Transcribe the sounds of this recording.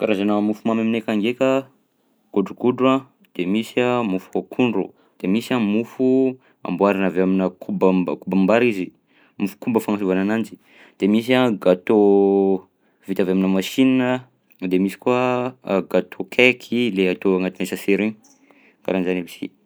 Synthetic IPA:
kaɾazanəmufumamaminekaŋɡekʲə | ɡ̥uɖ͡ʐuɡ̥uɖ͡ʐua | d̪̥emisamufuakʰuɳɖ͡ʐṵ | d̪̥emisamufu | a̰mbuaɾanaveaminəkʰubəkubambaɾizi | mufu̥kumbəfaŋasuvananand͡ʒi̥ | d̪̥emis̬aɡat̪o | vit̪avaminəmaʃininə | d̪emisi̥kuaɡat̪ʰokʰekʰileat̪oaŋat̪inesəseɾiɲi | ka̰ɾanizanabisḭ

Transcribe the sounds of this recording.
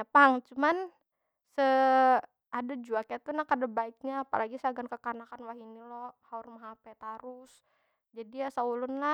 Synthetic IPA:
apaŋt͡ʃuman | sə | ʔadad͡ʒuakajat̪unahkadabaik̚ɲaːpa̰laɡisaaɡankəkanakanwaɦinilɔhaurmaɦapɛt̪aɾʊs | d͡ʒadijasaulʊnla

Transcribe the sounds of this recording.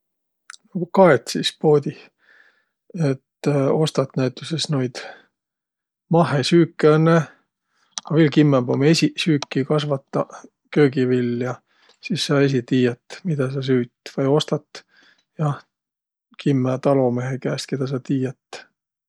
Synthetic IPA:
nɑɡukɑet̪sispo̞ːd̪ʲi | et̪o̞st̪ɑt̪næit̪ːˑusesnojd̪̥ | mɑɦesyːkːˑeɑnːe | ɑvelkimːembomesisyːkːikɑsvɑt̪ːɑ | kø̞ːɡivilːjɑ | sisːɑːe̞s̬it̪iːjɑt̪ːmid̪̥ɑs̬ɑs̬yːt̪ːvɑjo̞st̪ɑt̪ː | jɑ | kʰimːæt̪ɑlo̞meɦekæːst̪̚ke̞d̪̥ɑs̬ɑt̪iːjɑt̪ː

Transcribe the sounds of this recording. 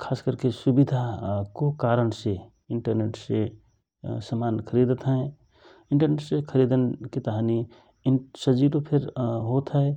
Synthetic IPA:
kʰaːskəɾkesʊbid̪ʱakokaːɾənse | ɪɳʈəɾneːʈse | səmaːnkʰəɾid̪ət̪ɦɛ̃ | ɪɳʈəɾneʈsekʰəɾid̪ənkit̪əɦani | ɪsəd͡ʒiɾopʰɪɾɦot̪ɦɛ

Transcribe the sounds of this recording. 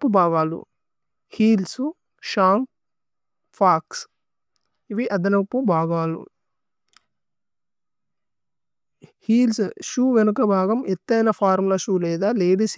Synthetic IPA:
pːubʱaːɡaːlṵ | hiːlsu | ʃaːŋ | pʰaːks | iʋiʔɐd̪ɐnɐpːubʱaːɡaːlṵ | hiːlsʃuːʋenukɐbʱaːɡɐmet̪ːɐjnɐpʰaːɾmlɐʃuːlɛːd̪aːleːɽis

